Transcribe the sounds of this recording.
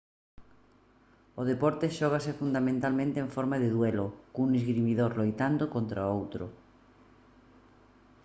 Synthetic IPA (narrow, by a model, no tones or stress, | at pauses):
oð̞epɔɾt̪eʃɔɣ̞asefund̪amẽnt̪almẽnt̪ẽɱfɔɾmaðeðwelokunizɣɾimiðoɾlojt̪and̪okont̪ɾaowt̪ɾo̰